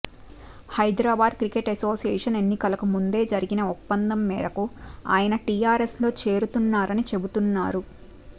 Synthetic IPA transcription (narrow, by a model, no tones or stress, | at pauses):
hɐjd̪ɾaːbaːd̪̚kɾikeʈɐso̞ːsijɛːʂɐne̞nːikɐlɐkumund̪e̞ːd͡ʒɐɾiɡinɐɔpːɐnd̪ɐmːɛ̰ːɾɐkua̰ːjɐnɐʈijaːɾeslo̞ːt͡ʃe̞ːɾut̪unːaːɾɐnit͡ʃe̞but̪unːaːɾu